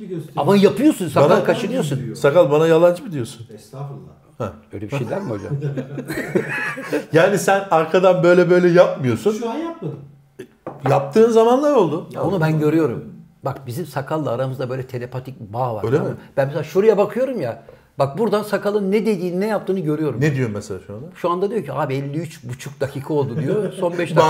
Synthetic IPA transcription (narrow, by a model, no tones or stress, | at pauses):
amajapɯjo̞sunsanalˠkʰat͡ʃɯnɯjo̞sunsakalˠbanajalˠand͡ʒɯbid̪ijo̞sun | hɛøjlʲebiʃejd̪ʲæɾmiod͡ʒa̰m | jaːnisænaɾkʰad̪anbø̞jlʲɛbø̞jlʲɛjap̚mɯjo̞sunjap̚m | jap̚t̪ʰɯːnzamanlˠaɾo̞lˠd̪uonubænɟø̞ɾyjo̞ɾṵm | bakbizimsakʰalˠːaaɾamɯzd̪abø̞jlʲɛt̪ʰe̞lʲepat̪ʰic̚baːvaɾølʲib̥ænmɛselʲaːʃuɾujabakʰɯjo̞ɾumja | bak̚buɾd̪ansakʰalˠɯnːɛd̪e̞d̪iːninɛjap̚t̪ʰɯːnɯɟø̞ɾyjo̞ɾumnɛd̪ijomɛselʲaːʃuand̪aʃuand̪ad̪ijo̞cʰiaːbiɛlʲːiyt͡ʃbut͡ʃʰuk̚d̪acʰiːkʰao̞lˠd̪ud̪ijoso̞nbɛʃt̪